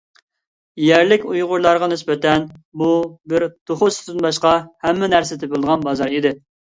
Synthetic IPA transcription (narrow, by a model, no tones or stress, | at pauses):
jæɾlɪkʲujʁʊɾlˠɑɾʁɑnɪspɪt̪ʰɛnbubɪɾt̪ʰoχʊst̪ɨnbɑʃqɑhɛmːɪnæɾsɪt̪ʰɪpɪlˠd̪əʁɑnbɑzɑɾid̪ɪ